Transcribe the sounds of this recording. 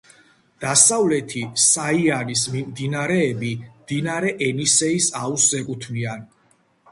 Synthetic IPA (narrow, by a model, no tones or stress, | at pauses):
d̪̥asavlɛt̪ʰisaianismimd̪inaɾɛːbimd̪̥inaɾɛʔɛnisɛisausːɛkʼut̪ʰnian